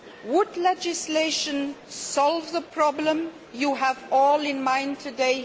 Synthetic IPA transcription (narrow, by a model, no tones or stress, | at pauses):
wʊdlɛd͡ʒɪsleɪʃə̃nsɔlvðəpʰɹɔblə̃m | juəvɔːlɪ̃nmãɪ̃ntʰɨdeɪ